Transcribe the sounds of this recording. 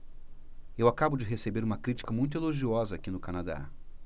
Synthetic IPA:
ewakabʊd͡ʒɪɦesebeɾũmɐkɾit͡ʃi̥kɐmũj̃t̪̬ʊeloʒiɔzɐakinʊkanad̪a̰

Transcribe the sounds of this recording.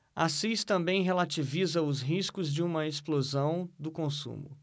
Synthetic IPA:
asist̪ɐ̃mbẽj̃ɦelat͡ʃivizɐʊzɦiskʊzd͡ʒɪũmɐesplozɐ̃w̃d̪ʊkõsṵ̃mʊ̰

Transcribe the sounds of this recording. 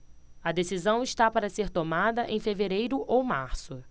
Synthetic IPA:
ɐd̪esizɐ̃w̃ɪʃt̪apaɾɐseɾt̪omad̪ɐʔẽj̃feveɾejɾʊʔowmaɾsʊ

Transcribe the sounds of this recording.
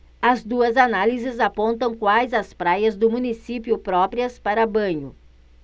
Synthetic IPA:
ɐzd̪uɐzanalizɪzapõnt̪ɐ̃w̃kwajzɐspɾajɐzd̪ʊmũnisipjʊpɾɔpɾiɐspaɾɐbɐ̃ɲʊ̰

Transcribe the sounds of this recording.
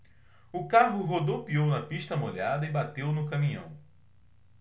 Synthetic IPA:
ʊkaɦʊɦod̪owpiownɐpiʃt̪ɐmoʎad̪ɐɪbat̪ewnʊkɐmĩɲɐ̰̃w̃

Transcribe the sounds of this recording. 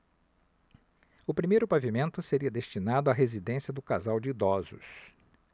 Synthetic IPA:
ʊpɾimejɾʊpavimẽnt̪ʊseɾiɐd̪est͡ʃinad̪ʊaɦezid̪ẽsjɐd̪ʊkazawd͡ʒɪid̪ɔzʊ̰s

